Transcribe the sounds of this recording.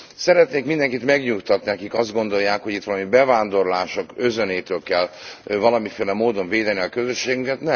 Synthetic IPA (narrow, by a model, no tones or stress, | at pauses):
sɛɾɛt̪neːkmind̪ɛŋkit̪mɛɡɲukt̪ɒt̪niɛkikɒzd̪ɡo̞nd̪o̞jːaːkho̞ɟit̪ʋɒlɒmibɛvaːnd̪o̞rlaːʃo̞kø̞zøneːt̪øːlkɛlvɒlɒmifeːlɛmoːd̪o̞ɱveːd̪ɛniɒkø̞zøʃːeːɡyŋkɛt̪nɛm